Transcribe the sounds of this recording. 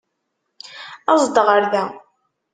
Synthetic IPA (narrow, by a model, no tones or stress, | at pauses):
ɑzˤd̪əʁəɾðæ